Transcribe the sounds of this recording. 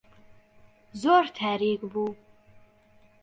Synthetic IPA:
zort̪ʰæːɾiɡʼbu

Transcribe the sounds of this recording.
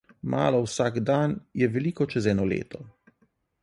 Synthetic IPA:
mʔa̰ːlɔwsaːɡd̪anjɛʋɛlikɔt͡ʃɛzɛːnɔlḛːt̪ɔ

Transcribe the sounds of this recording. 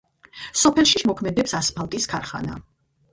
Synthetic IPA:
sɔpʰɛlˠʃiʃmɔkʰmɛd̪ɛpsaspʰalˠt̪ʼiskʰaɾχa̰na̰

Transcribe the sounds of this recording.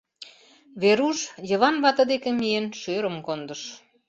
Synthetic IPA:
βeɾuʃjə̆βɑnβɑt̪ə̆d̪ekĕmienʃøɾəmkond̪əʃ

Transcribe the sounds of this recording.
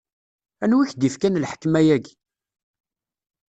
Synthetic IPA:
ænwiçd̪ifkænlħə̥kːmæjæɡ

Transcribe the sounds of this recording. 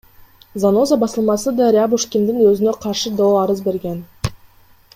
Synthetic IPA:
zano̞zabɑsəlˠmɑsəd̪ɑɾʲɪabuʂkʲind̪ɪŋwɵzɪne̞qʰɑɾʃəd̪olˠɑɾəzbe̞ɾɡʲe̞n

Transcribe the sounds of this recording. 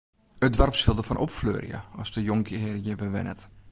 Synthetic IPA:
ədʋarpsɪlˠdəfɔnʔɔpflø̰ːrjə̰ɔsdəjoŋkʰəɪrəjəbəʋɪ̰nə̰t

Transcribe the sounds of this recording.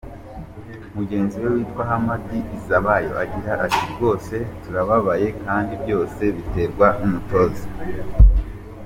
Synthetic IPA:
umuɟe̞ːnziwe̞wiːtwaɦamadiʔizaβajo̞̰ʔaɟiɾaʔatiɾɡo̞ːse̞tuɾaβaβaje̞kaːndibjo̞ːse̞βite̞ɾɡwaʔumuto̞zi

